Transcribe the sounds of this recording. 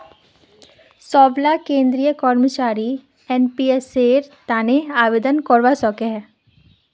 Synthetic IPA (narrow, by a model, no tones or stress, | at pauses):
sɔːblakẽːnd̪ɾijəkɔːɾmət͡ʃaːɾi | ɛnpieseːɾt̪aːneaːʋeːd̪ənkɔːɾʋasɔːkeɦɛː